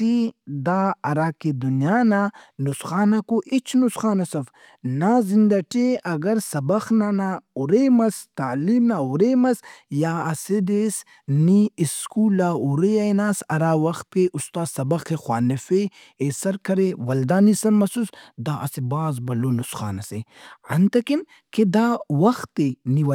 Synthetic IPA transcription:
t̪id̪aːɐɾaːked̪unijaːnanusxaːnakoʔit͡ʃʰnusxaːnɐsɐf | naːzind̪ɐʈeʔɐɡɐɾsɐbɐxnanauɾemɐst̪aːliːmnaːuɾeːmɐsjaːɐsed̪es | niiskuːlaːuɾeɐjnaːsɐɾaːwɐx̚peʔust̪aːsɐbɐxexwaːnɐfe | esɐɾkɐɾewɐld̪aːnisɐɾmɐsusd̪aːʔɐsebaːzbɐlonusxa̰ːnɐseɐnt̪ɐkim | ked̪aːwɐxt̪ːeniwɐ

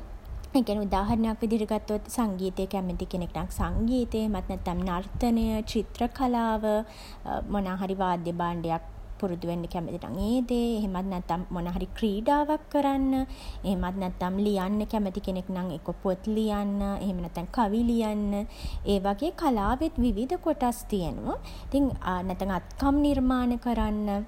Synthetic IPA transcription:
ekæneud̪aːɦɐɾənejakʋid̪ʱiɾiɡat̪ːot̪saŋɡiːt̪əjəkæmət̪ikeneknaŋsaŋɡiːt̪əeɦemat̪nɛt̪ːamnart̪ənəjət͡ʃit̪rəkalaːʋə | monaːɦaɾiʋaːd̪jəbaːɳɖejak̚ | puɾud̪uʋenːəkæmət̪ina̰ŋeːd̪eːɦemat̪nɛt̪ːamːonaːɦaɾikriːɖaːʋakːəɾanːəeɦemat̪nɛt̪ːamlijanːəkæmət̪ikeneknaŋekopot̪lijanːəʔḛɦemənɛt̪ːaŋkaʋilijanːəeːʋaɡeːkalaːʋet̪ʋiʋid̪əkoʈast̪ijənṵʋə | it̪iŋnɛt̪ːaŋat̪kamnirmaːnəkəɾanːə

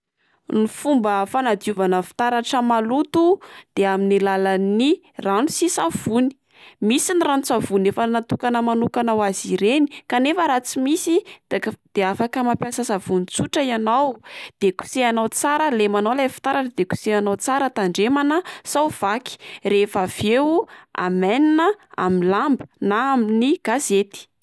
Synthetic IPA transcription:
nifumbəfanad̪iuvanəfi̥t̪aɾaʈ͡ʂəmalut̪ud̪̥eaminilalani | ranusisav̥uni̥ | misinirant͡savunefənat̪ukanəmanukanawaziɾenikanefəɾat͡simisid̪d̪̥eafakəmapjasəsavunit͡suʈ͡ʂəianawd̪̥eku̥seanawt͡saɾəlemanalafi̥t̪aɾaʈ͡ʂəd̪eku̥seanawt͡saɾət̪aɳɖ͡ʐemanəsawv̥aki̥refav̥ewua̰mɛninəa̰minlambənaaminiɡ̥azet̪i̥

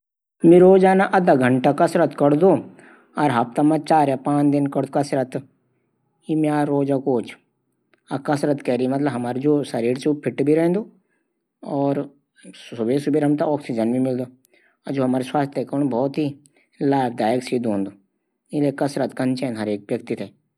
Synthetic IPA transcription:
mĩɾoːd͡ʒaːnaʔɐd̪aɡʱəɳʈakɐsɾət̪kɐɽd̪oː | ɐɾɦɐp̚t̪amɐt͡ʃaːɾjapãːt͡ʃd̪ɪnkɐɽd̪okɐsɾət̪ | imiaːɾoːd͡ʒakoːt͡ʃʰ | ɐkɐsɾət̪kɛɾimɐt̪ləbɦɐmaːɾd͡ʒoːsɐɾiːɾt͡ʃupʰɪʈbʱiɾɛɦnd̪oː | ɔːɾ | sʊbesubeɾɦɐmt̪aɔːksid͡ʒɐnbimɪld̪oː | ad͡ʒoːɦɐmaːɾeswaːst̪ʰjekəɾɽ̃bʱɔːt̪ɦi | laːbʰd̪aːjəksiːd̪õːnd̪oː | ɪlekɐsɾət̪kɐ̃nt͡ʃɛ̃ːnɦɐɾeːk̚ʋjɐkt̪it̪ʰɛ

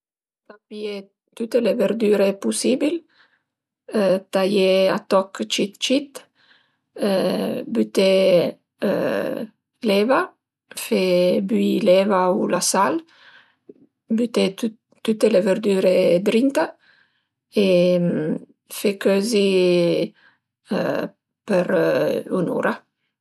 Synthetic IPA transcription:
t̪apie | t̪ut̪eleveɾd̪yːɾepusibil | t̪ajea̰t̪ɔkt͡ʃit̪t͡ʃit̪ | byt̪ḛ | lɛva | febyilɛvaulasal | byt̪e | t̪ut̪eleveɾd̪yːɾed̪ɾint̪a | e | fekøzi | pəɾunṵːɾa

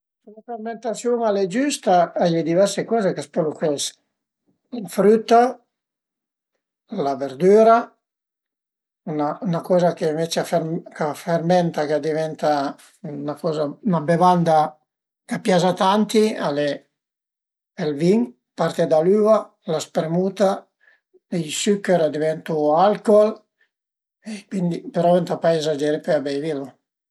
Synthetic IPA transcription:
sulaferment̪asjuŋaled͡ʒyst̪aajled̪ivɛrsekɔːzekaspelukɛs | ilfɾyt̪ːa | laveɾd̪yːɾa | unaunakɔːzakeɱvet͡ʃeafekafermɛnt̪akad̪ivɛnt̪a | nakɔːzaunabevand̪a | kapjazat̪ant̪iale | elviŋ | paɾt̪ed̪alyːva | laspɾemut̪a | iʎsykːeɾad̪ivɛnt̪ualkɔl | ekwind̪ipeɾɔvɛnt̪apajɛzad͡ʒɛːɾepøabɛjvilu

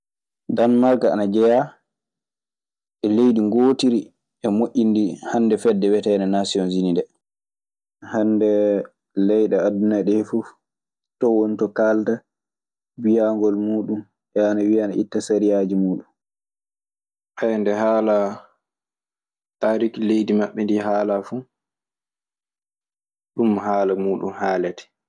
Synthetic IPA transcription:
danmaɾkaa̰nad͡ʒɛja | ʔɛlejɗiŋɡoːtiɾi | ʔɛmoʔʲːindihanːdɛfɛdːɛwɛtajnanasiɔnzinindɛ | handɛ | lɛjɗaadunaɗɛhfuf | tɔwonitɔkalta | wijaŋɡɔlmuːɗum | ʔɛanawianaʔitːasaɾijad͡ʒimuːɗun | ʔajndɛɦaːla | taɾiklejdimaɓːɛndiɦaːlafu | ɗumhaːlamuːɗṵmhaːlɛtɛ̥

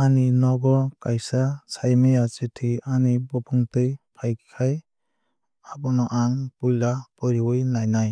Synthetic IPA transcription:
aninɔɡɔkajsasʰajmejat͡ʃitʰianibɔpʰuŋtɯjpʰajkkʰaj | abɔnɔʔaŋpujlapɔɾiwɯjnajnaj

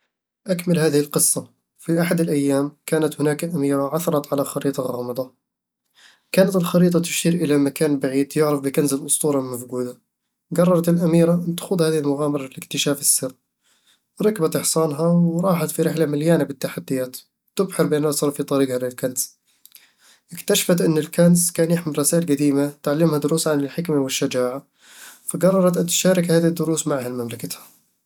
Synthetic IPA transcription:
ʔakmalhaːðɪhɪlqɨsˤːɑ | fiʔaħad̪ɪlʔajːaːmkaːnat̪hʊnaːkʔamiːɾaʕaθɑɾˤɑt̪ʕalaxɑɾiːt̪ˤɑɣɑːmɑd̪ˤɑ | kaːnat̪ɪlxɑɾiːt̪ˤɑt̪ʊ̥ʃiːɾʔɪlamakaːnbaʕiːd̪jʊʕɾɑfbɪkanzalʔʊsˤt̪ˤuːɾˤɑlmafɡuːd̪a | ɡɑrˤːɑɾˤɑt̪ɪlʔamiːɾaʔɪnt̪ḁxʊd̪haːðɪhɪlmʊɣaːmɑɾˤɑɪlɪkt̪ɪʃaːfɪsːɪr | ɾˤɑkbat̪ɪħsˤɑːnɦawɾˤɑːħat̪fiɾɪħlamɪljaːnabɪt̪ːaħad̪ːɪjaːt̪ | t̪ʊbħɪɾbɪʔnʔasˤɑːɾˤfit̪ˤɑɾiːɡhalɪlkanz̥ | ʔɪkt̪aʃḁfat̪ʔɪnːɪlkanzkaːnjɪħmɪlˤɑsaːʔɪlɡad̪iːmat̪ʕalːɪmhad̪ʊɾuːsʕanɪlħɪkmawɪʃːad͡ʒaːʕa | faɡɑrˤːɑɾˤɑt̪ʔant̪ʃaːɾɪkhaːðid̪ːʊɾuːsmaʕhalmamlakat̪hḁ

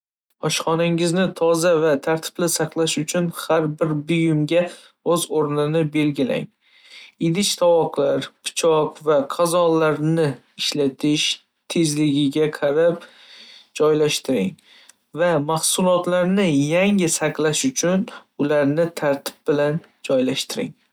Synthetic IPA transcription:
ɒʃχɒnaŋɪznɪt̪ʰɒzavat̪ʰaɾt̪ʰɪ̥blɪsaqlˠaʃʊt͡ʃʰʊnhaɾbɪɾbʊjʊmɡʲa | ɵzoɾnɪnɪbe̞lɡʲɪla̰ŋ | ɪd̪ɪt͡ʃt̪ʰawɒqlaɾpʰɪ̥t͡ʃʰɒqvaqʰɑzɒlːaɾnɪ | ɪʃlat̪ʰɪʃ | t̪ʰe̞zlɪɡʲɪɡʲaqʰɑɾap̚ | d͡ʒɒjlaʃt̪ɪɾɪŋ | vamahsʊlˠɒt̪laɾnɪjaŋɪsaqlaʃʊt͡ʃʰʊnʊlaɾnɪt̪ʰaɾt̪ʰɪ̥b̚bɪlan | d͡ʒɒjlaʃt̪ʰɪɾɪ̰ŋ

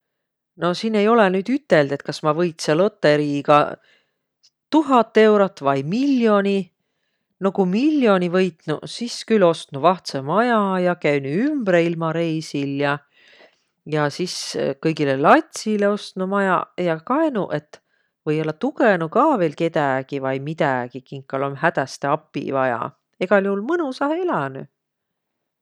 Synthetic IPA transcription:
no̞sinːe̞jo̞lenyːd̪yt̪ːe̞ld̪̥e̞t̪̚kɑsmɑvɤjt̪selot̪ːˑeɾiɡɑ̰ | t̪uɦɑt̪ˑːe̞wɾot̪ːvɑjmilʲjo̞ni | no̞kumilʲːjo̞nʲivɤjt̪nusiskylo̞st̪nuvɑht̪semɑjɑjɑkæynuymbɾeilmɑɾe̞jsiljɑ | jɑsiskɤjɡilelɑt̪ʲsile̞o̞st̪numɑjɑ̰jɑkɑenuʔe̞t̪ːˑ | vɤjo̞lːɑt̪ukenukɑːve̞ːlke̞t̪æɡ̥ivɑjmit̪æɡ̥ikiŋkːˑɑlomhæd̪æst̪e̞ɑpːˑḭvɑjɑ̰ | e̞ɡ̥ɑljuhulmɯnusɑheelɑny

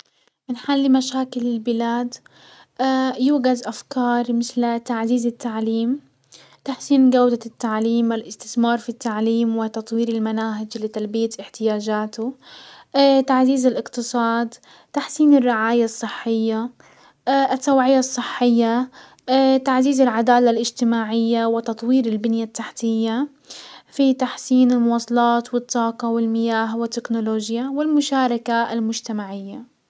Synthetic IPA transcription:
mɪnħalːimaʃaːkɪlɪlbɪlaːd̪ | ʔajuːɡazʔafkɑːɾˤmɪθlt̪aʕziːzɪt̪ːaʕliːm | t̪aħsiːnɡawd̪at̪ːaʕliːmwɪlʔɪst̪ɪθmɑːɾˤfit̪ːaʕliːmwɪt̪ɑt̪ˤwiːɾɪlmanaːɦɪd͡ʒlɪt̪albɪjat̪ʔɪħt̪ɪjaːd͡ʒaːt̪ʊ | t̪aʕziːzɪlʔɪqt̪ɨsˤɑːd̪ | t̪aħsiːnɪrːɪʕaːjasˤːɨħːɪjːa | ʔt̪ːawʕɪjasˤːɨħːɪjːa | t̪aʕziːzɪlʕad̪aːlalʔɪd͡ʒt̪ɪmaːʕɪjːawɪt̪ɑt̪ˤwiːɾɪlbɪnjat̪ːaħt̪ɪjːa | fit̪aħsiːnɪlmʊwɑːsˤɑlɑːt̪wɪt̪ːɑːqɑwɪlmɪjaːɦwɪt̪ːɪknʊloːʒjawɪlmʊʃaːɾˤɑkaalmʊd͡ʒt̪amaʕɪjːa

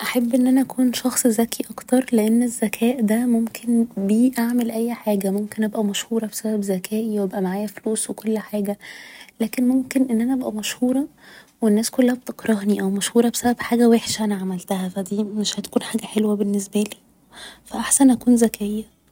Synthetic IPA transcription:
ʔæħabːʔenːʔænæʔækʰuːnʃɑxsˤzækiʔɑkt̪ɑɾˤleʔenːezːækʰæːʔd̪æmomkʰenbiːʔaʕmelʔæjːħaːɡæmomkenʔæbʔæmæʃhuːɾˤɑbe̥sæbæbzækʰæːʔiwæbʔæmaʕaːjæfluːswekolːħaːɡælæːkenmomkenʔenːʔænæʔæbʔæmæʃhuːɾˤɑ | wenːæːskolːæhæb̚t̪eqɾˤɑhniʔæwmæʃhuːɾˤɑbe̥sæbæbħaːɡæweħʃæʔænæʕamælt̪æhæfæd̪iːmeʃhæt̪æ̥kuːnħaːɡæħelwæbenːes̬bæliː | fæʔaħsænʔækuːnzækejːæ

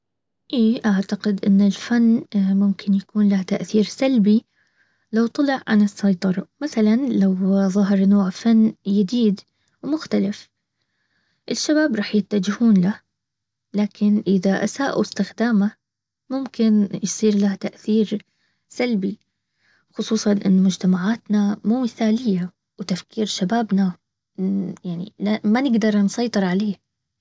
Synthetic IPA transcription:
ʔiːʔaʕt̪aqɪd̪ʔɪnːɪlfanːmʊmkʰɪnjakuːnlaht̪aʔθiːɾsalbi | lawt̪ˤɑlɪʕʕa̰nɨsːɑjt̪ˤɑɾˤɑmaθalanlawðˤɑɦɑɾˤnoːʕfanːjɪd̪iːd̪ | wmʊxt̪alɪf | ʔɪʃːabaːbɾˤɑːħjɪt̪ːad͡ʒɪhuːnlah | laːkʰɪnʔɪðaʔa̰saːʔṵɪst̪ɪxd̪aːma | mʊmkɪnjsˤiːɾlaht̪aʔθiːɾ | salbi | xʊsˤuːsˤɑnʔɪ̰nːmʊd͡ʒt̪amaʕaːt̪namuːmɪθaːlɪjːa | wt̪afkiːɾʃabaːbna | jaʕnḭlamanɪɡd̪ɑɾˤnsˤɑjt̪ˤɨɾˤʕaleː

